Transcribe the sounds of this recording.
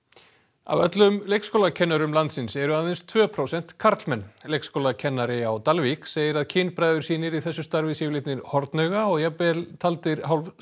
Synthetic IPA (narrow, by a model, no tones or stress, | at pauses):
a̰vœt̪lʏmlejkskowlacʰɛnːaɾʏmlant̪sɪnsɛɾʏaðejnst̪ʰvœːpʰɾowsɛn̥t̪kʰaɾt̪lmɛnːlejkskowlacʰɛnːaɾɪawt̪alvikseːjɪɾaðcʰiːnpɾaːjðʏɾ̥siːnɪɾiθɛsːʏst̪aɾvɪsɪːlɪt̪nɪɾhɔɾt̪nœɥɣaɔɣjapɛlt̪ʰalt̪ɪɾ̥hawlf